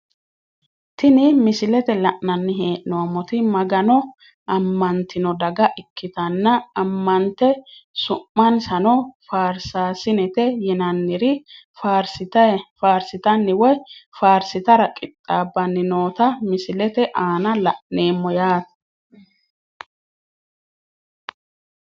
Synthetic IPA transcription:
t̪ɪnɪmɪsɪlɛt̪ɛlɐʔnɐnːɪɦeːʔnɔamɔt̪ɪmɐɡɐnɔ | ʔɐmːɐnt̪ːɪnɔd̪ɐɡɐʔɪkʰːɪt̪ɐnːɐɐmːɐnt̪ːɛsʊmːɐnsɐnɔfaːɾsaːsɪnɛt̪ɛjɛnɐnːɪɾɪ | faɾsɪt̪faːɾsɪt̪ɐnːɪwɔjfaːɾsɪt̪ɐɾɐkʼɪt̪ʼːaːbːɐnːɪnoːt̪ɐmɪsɪlɛt̪ɛʔaːnɐlɐʔne̞ːmːɔjaːt̪ɐ̥

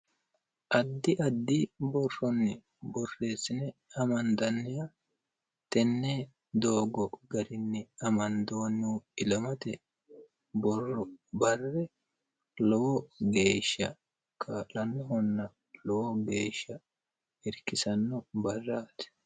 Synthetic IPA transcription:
ʔɐd̪ːɪʔɐd̪ːibɔrːɔnːɪ | bɔrːe̞ːsɪnɛɐmɐnd̪ɐnːɪja | t̪ɛnːɛ | d̪o̞ːɡɔɡɐɾɪnːɪɐmɐnd̪o̞ːnːuɪlɐmɐt̪ɛ | bɔrːɔbɐrːɛ | lɔwɔɡeːʃːɐ̰ | kʰaːlɐnːɔɦɔnːɐ | lɔwɔɡe̞ːʃːɐ | ɪɾkɪsɐnːɔbɐrːaːt̪ɛ̥

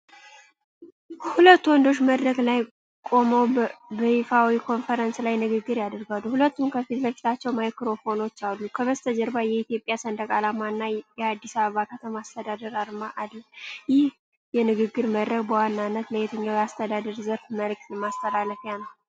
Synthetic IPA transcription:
hulət̪ːuwɔnd̪o̞ʃːməd̪ɾəɡlaj | kʼo̞məwbəhifawikʰo̞nfəɾənslajnɨɡɨɡːɨɾjad̪ɨɾɡalːuhulət̪ːumkʰəfit̪ləfi̥t̪ʰat͡ʃːɛwmajkɾo̞fo̞no̞t͡ʃːalːukʰəβəst̪ʰəd͡ʒəɾbajɛit̪jo̞pʼːjasənd̪əkʼalamanːajɛad̪ːisaβəβakʰət̪ʰəmaːst̪ʰəd̪ad̪əɾaɾmaʔad̪ləmjɪh | jɛnɨɡɨɡːɨɾməd̪ɾəɡbəwanːanːət̪ləjet̪ʰəɲːawiast̪ʰəd̪ad̪əɾzəɾfməlɨk̚t̪lmast̪ʰəlalːəfjanəw

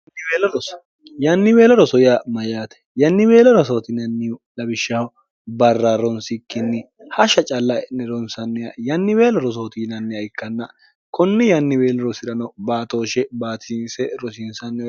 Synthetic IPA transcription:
we | jɐnːɪweːlɔɾɔsɔjɪjamɐjaːt̪ɛ̥jɐnːɪwe̞ːlɔɾɔsoːt̪ɪnɐnːɪʊlɐbɪʃːɐhɔ | bɐrːaːɾɔnsɪkːɪnːɪ | hɐʃɐt͡ʃʼɐlːɐnɛɾɔnsɐnːɪjɐjɐnːɪweːlɔɾɔs̬oːt̪inɐnːɪjɐɪkːɐnːɐ | kɔnːɪjɐnːɪweːlɔɾɔsɪɾɐnɔbaːt̪o̞ːʃɛbaːt̪ʰɪnsɛɾɔsɪnsɐnːɛ

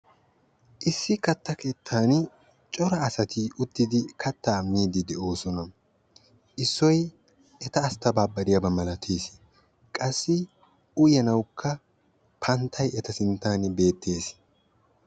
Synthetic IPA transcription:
ʔɪsːɪkɐt̪ːɐke̞ːt̪ʰːaːn | t͡ʃʼɔɾɐːsɐt̪ʰiʔʊt̪ːɪd̪ɪkʰɐt̪ːaːmiːd̪ɪd̪ɛʔo̞ːsɔnɐ | ʔɪsːɔj | ʔɛt̪ɐːst̪ɐbaːbɐɾɪjɐbɐmɐlɐt̪ʰeːs | kʼɐsːɪ | ʔʊjɐnɐwkʰːɐ | pʰɐnt̪ʰːɐjɛt̪ɐsɪnt̪ːaːnbe̞ːt̪ːe̞ːs

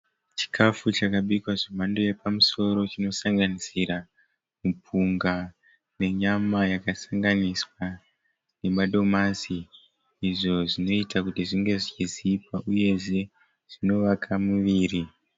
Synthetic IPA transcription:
t͡ʃi̥kʰafut͡ʃakaɓikwaʐemando̞je̞pamuso̞ɾo̞t͡ʃino̞saŋɡanisiɾa | mupʰuŋɡa | ne̞ɲamajakasaŋɡaniswa | ne̞maɗo̞masiː | ʐo̞ʐino̞itakutiʐiŋɡe̞ʐit͡ʃiziipwaʔuje̞ʐe̞ | ʐ̥ino̞ʋakʰamuʋiːri

